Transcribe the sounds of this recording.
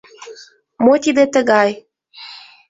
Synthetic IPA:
mot̪id̪et̪əɣɑj

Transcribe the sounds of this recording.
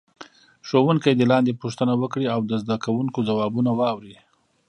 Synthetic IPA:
ʂowuŋkajd̪əlɑnd̪epuʂt̪ənawəkɽiawd̪əzd̪akawuŋkod͡zawɑbunawɑwɾi

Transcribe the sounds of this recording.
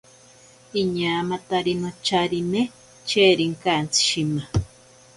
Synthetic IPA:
iɲamat̪aɾinot͡ʃaɾine | t͡ʃeɾiŋkant͡si̥ʃima

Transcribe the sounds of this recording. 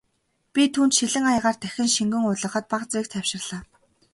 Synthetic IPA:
pʲit̪ʰuːnt̪ʃiɮɘ̆ŋajăʁaːrt̪ʰæxʲɪ̆nʃiŋɡɘ̆ŋʊɮə̆χə̆t̪̚paqt͡swiːk̚t̪ʰæwʃɪ̆rɮ̥aː

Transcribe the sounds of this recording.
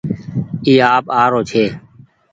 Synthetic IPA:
iːaːpaːɾoːt͡ʃʰeː

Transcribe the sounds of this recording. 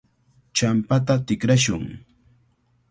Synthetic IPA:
t͡ʃampat̪at̪ɪkɾaʃʊ̰ŋ

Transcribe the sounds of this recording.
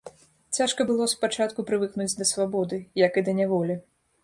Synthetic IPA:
t͡sʲaʂkɐbɨlˠɔspat͡ʂat̪kupɾɨvɨknud͡zʲd̪ɐsvabɔd̪ɨjɐkɨd̪ɐnʲavɔlʲi

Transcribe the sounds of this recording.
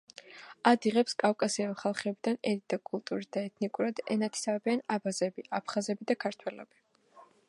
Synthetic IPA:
ad̪iʁɛpskʼafkʼasiaviχalˠχɛbid̪anɛɾid̪akʼulˠt̪ʼuɾisd̪aɛt̪ʰnikʼuɾad̪ɛ̰nat̪ʰi̥sabianabazɛbiʔapʰχazɛbid̪akʰaɾt̪ʰwɛlɔ̰b̥i

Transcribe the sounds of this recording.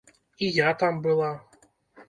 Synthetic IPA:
ijat̪ambɨlˠa

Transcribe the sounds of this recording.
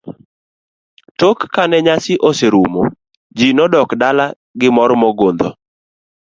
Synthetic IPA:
tokːanɛɲasɪʔoseɾumo | d͡ʒinɔdɔkdala | ɡɪmɔɾmɔɡond̪ɔ̰

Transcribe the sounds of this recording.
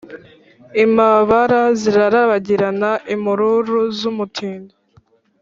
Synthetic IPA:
imaβaɾaziɾaɾaβaɟiɾanaʔimuɾuɾuzumutʰiːndo

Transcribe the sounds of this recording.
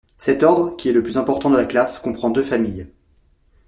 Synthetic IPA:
sɛt̪ɔʁd̪ʁəkʲiɛləplyzɛ̃pɔʁt̪ɑ̃d̪əlaklaskɔ̃pχɑ̃d̪øfamij

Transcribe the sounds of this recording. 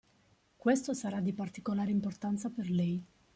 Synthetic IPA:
kwest̪osaɾad̪ːipart̪ikolaːɾeimport̪ant̪saperlɛj

